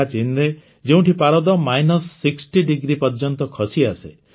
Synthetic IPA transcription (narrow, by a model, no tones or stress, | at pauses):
at͡ʃinɾe | d͡ʒeũʈʰipaɾɔd̪ɔmajnɔsːiksʈiɖiɡɾipɔɾd͡ʒɔnt̪ɔkʰɔsiasḛ